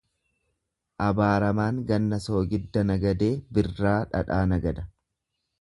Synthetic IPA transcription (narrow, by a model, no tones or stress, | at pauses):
ʔɐbaːɾɐmaːŋɡɐnːɐso̞ːɡɪd̪ːɐnɐɡɐd̪e̞ːbɪrːaːᶑɐ̰ᶑaːnɐɡɐd̪ɐ